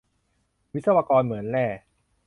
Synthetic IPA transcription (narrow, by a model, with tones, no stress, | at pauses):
wi˦˥t̪̚sa˧wa˧kɔː˧nmɯ˩˦ənlɛː˥˩